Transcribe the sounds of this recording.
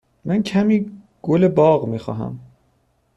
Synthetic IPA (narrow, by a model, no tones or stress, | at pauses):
mæncʰæmiː | ɡ̥olebɒːɣmiːxɒ̰ːɦæ̰m